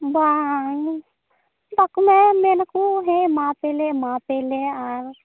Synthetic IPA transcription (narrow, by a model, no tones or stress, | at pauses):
ba | bakmɛ̃meːnakũɦẽmãːpeːlemãːpeːleaɾ